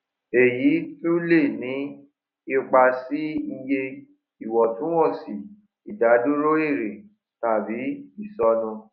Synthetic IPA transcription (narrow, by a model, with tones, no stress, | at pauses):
e˨ji˨˦tu˦le˦˨nĩ˨˦ | o˧k͡pa˧si˦i˧je˧ | i˨wɔ˨tũ˨˦wɔ̃˦˨si˨ | i˨da˨˦du˦ɾo˦e˦˨ɾe˨ | ta˨bi˨˦i˦˨sɔ˧nũ˧